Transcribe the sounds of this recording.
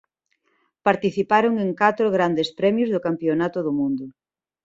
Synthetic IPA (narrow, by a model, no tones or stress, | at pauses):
paɾt̪iθipaɾoŋeŋkat̪ɾoɣɾand̪espɾɛmjʊzðʊkampionat̪ʊðʊmũnd̪ʊ